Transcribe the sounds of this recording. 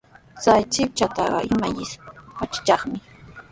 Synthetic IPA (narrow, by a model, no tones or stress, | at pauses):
t͡sajt͡ʃɪp̚t͡ʃat̪ɑɢɑ̰ʔɪmajɪspat͡ʃḁt͡ʃɑχmɪ